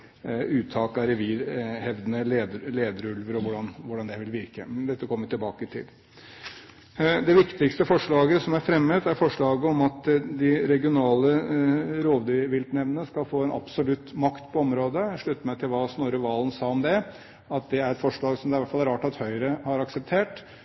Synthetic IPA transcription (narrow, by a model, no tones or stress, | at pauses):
ʉːt̪ʰɑːkɑɾɛʋiːɾhɛʋd̪ənəleːd̪əɾleːd̪əɾʉlʋəɾɔʋʊɖɑnʋʊɖɑnd̪ɛʋɪlʋɪɾkə̰md̪ɛt̪ːəkʰɔmːəjʊt̪ɪlbɑːkət̪ʰɪ̰l | d̪ɛʋɪkt̪ɪkst̪əfɔʂɭɑːɡəsɔmæɾfɾɛmːət̪æɾfɔʂɭɑːɡəɔmɑt̪d̪ɪɾɛɡɪʊnɑːləɾoːʋd̪yʋɪlt̪nɛʋnəskɑlfoːɛnʔɑ̰bsɔlʉt̪ːmɑkt̪pʰɔɔmɾoːd̪əʂɭʉt̪ːəmɛt̪ʰɪlʋɑsnoːɾəʋɑːlənsɑːɔmd̪ɛ | ɑt̪̚d̪ɛæɾɛt̪fɔʂɭɑːɡsɔmd̪ɛɪʋæʈfɑlːæɾɑːʈɑt̪hœʏɾəhɑɾɑksɛp̚t̪ʰeːʈ